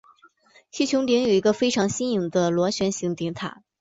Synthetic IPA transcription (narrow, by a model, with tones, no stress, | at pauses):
ɕʰi˥˩t͡ɕʰjʊ˧˥ŋt̪i˧˥ŋjo˨˩ʊi˧˥ɡə˧fe˥ɪʈ͡ʂʰɑ˧˥ŋɕi˥ni˧˩ŋd̪ə˧lwɔ˧˥ɕɥɛ˧˥nɕi˧˥ŋt̪i˧˥ŋt̪ʰa̰˨˩˦